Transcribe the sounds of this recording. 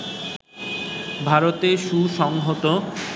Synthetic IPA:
bʱaɾot̪eʃuʃɔŋɦot̪o

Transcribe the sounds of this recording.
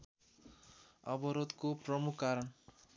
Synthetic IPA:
ʌ̰bʌɾod̪kopɾʌmukʰːaɾʌɳ

